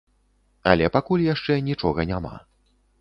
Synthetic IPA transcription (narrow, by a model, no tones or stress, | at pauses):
ɐ̰lʲɛpakulʲjaʂt͡ʂɛnʲit͡ʂɔɣɐnʲama̰